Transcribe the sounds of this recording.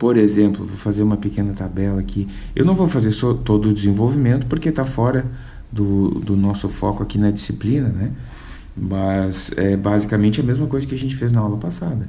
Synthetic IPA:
poɾezẽmplʊvofazeɾũmɐpekẽnɐt̪abɛlɐkʰi | ewnɐ̃w̃vowfazeɾsot̪od̪ʊːd͡ʒɪzẽvowvimẽnt̪ʊ̥poɾket̪afɔɾɐ | d̪ʊd̪ʊnɔsʊfɔkʊakinɐd͡ʒisiplĩnɐnɛ | mɐzɛbazikɐmẽnt͡ʃɪɐmezmɐkojzɐkɪaʒẽnt͡ʃɪ̥feznɐɔlɐpasad̪ɐ

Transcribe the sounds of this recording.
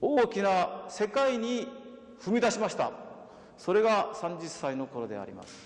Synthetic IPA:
oːkʲinase̞kaiɲ̟i | ɸɯ̟mʲid̪aɕimaɕi̥t̪a̰ | so̞ɾe̞ɡasãɲ̟d͡ʑisːaino̞ko̞ɾo̞d̪e̞̰a̰ɾʲḭma̰sɨ̥

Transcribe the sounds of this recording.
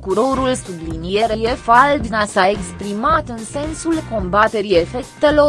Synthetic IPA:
kuɾo̞ɾulsublinije̞ɾejefald̪ɨnasae̞kspɾimat̪ɨnse̞nsulko̞mbat̪e̞ɾie̞fe̞kt̪e̞lo̞

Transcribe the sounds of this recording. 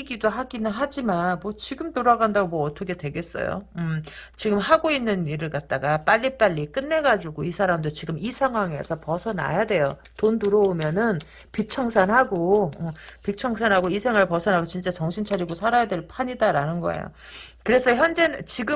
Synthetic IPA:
iɡidoɦaɡinɯnɦad͡ʑimanmwʌt͡ɕiɡɯmtoɾaɡandaɡomwʌːt͈ʰʌkʰe̞dwe̞ɡe̞s͈ʌ̰jo̰ɯmt͡ɕiɡɯmhaɡoinːɯniɾɯɭk͈at̚t͈aɡap͈aʎːip͈aʎːik͈ɯnːe̞ɡad͡ʑuɡoisʰaɾamdot͡ɕiɡɯmisʰaŋɦwaŋe̞̰sʰʌpʌsʰʌna̰jadwe̞jo | tontuɾʌomjʌnɯn | pit͡ɕʰʌŋsʰanɦaɡoʌpit͡ɕʰʌŋsʰanɦaɡoisʰe̞ŋɯɭpʌsʰʌnaɡot͡ɕint͡ɕ͈at͡ɕʌŋɕʰint͡ɕʰaɾiɡosʰaɾajadweɭpʰaɲidaɾanɯnɡʌ̰ḛjo̰ | kɯɾe̞sʰʌçjʌnd͡ʑe̞nɯt͡ɕiɡɯ

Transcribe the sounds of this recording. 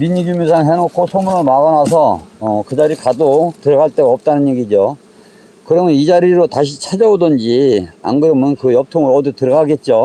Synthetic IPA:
miɲiɡumis̬ʰaŋɦenokʰosʰomunɯɭmaɣanasʰʌːkɯd͡ʑaɾikadotɯɾʌɡaɭt͈e̞ɡaʌp̚t͈anɯnjeɡid͡ʑo | kɯɾʌmjʌnid͡ʑaɾiɾotaɕ̬ʰit͡ɕʰad͡ʑʌodʌnd͡ʑia̰nɡɯɾʌmɯnkɯjʌp̚tʰoŋɯɾʌditɯɾʌɡaɡe̞t̚t͡ɕ͈o

